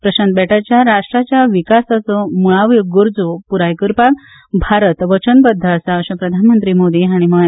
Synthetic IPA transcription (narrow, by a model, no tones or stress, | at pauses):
pɾəɕant̪bɛʈat͡ɕjaɾaʂʈɾat͡ɕjaʋikasat͡sɔmuɭaʋjɡuɾd͡zopuɾajkəɾpak̚ | bʱaɾət̪ʋət͡ɕənbəd̪ʱːəsaɕə̃pɾəd̪ʱanmənt̪ɾimod̪iɦaɽ̃iməɦ